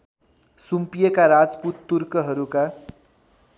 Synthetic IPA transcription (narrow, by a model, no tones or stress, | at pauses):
sumpijʌkaɾad͡zput̪ːurkʌɦʌɾuka